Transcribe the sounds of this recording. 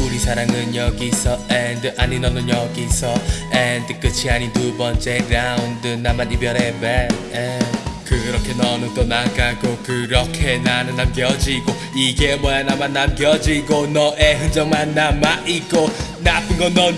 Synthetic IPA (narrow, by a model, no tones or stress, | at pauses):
uɾisaɾaŋɯɲɔkisɔɛnd̪əʔaninɔnɔɲɔkisɔɛnd̪əkət͡ʃʰianid̪ubɔnt͡ʃɛɾawnd̪ənamat̪̚ibjɔɾɛbɛnɛkʰɯɾɔkʰːenɔnɯt̪onakakokɯɾɔkʰenananamɡjɔd͡ʒiko | ikemɔanamat̚namɡjɔd͡ʒikonɔʔɛɦɯnd͡ʒɔŋmanamaʔikonapɯŋɡɔnɔ